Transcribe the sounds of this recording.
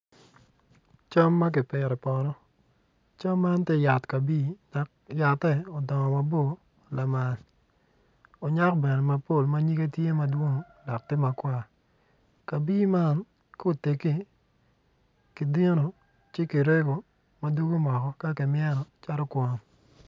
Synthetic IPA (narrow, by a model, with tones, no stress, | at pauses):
t͡ʃa˦mːa˦k̬ɪ˨pɪ˨ɾɛ˨pɔ˨ɾɔ˦ | t͡ʃa˦mːa˦nte˦ja˨tka˨biː˦da˨kja˨tːɛ˦ɔ˨dɔ˨ŋɔ˨ma˨bo˦˨ | la˨ma˨l | o˨ɲa˦kbɛ˨nɛ˨ma˨po˦˨lma˦ɲi˦ke˦tje˦ma˨dwo˦ŋo˨ | dɔ˨k̚tɪ˦ma˨kwa˦˨ | ka˨bi˦ma˦n | ko˨te˨ki˦ | ki˨de˦no˨ | t͡ʃɪ˦ki˨ɾe˦ɡo˨ | ma˨du˦ɡo˦mɔ˨kɔ˨ka˦kɪ˨mɪ˦ɛ˦nɔ˨t͡ʃa˦ɾɔ˦kwɔ˨n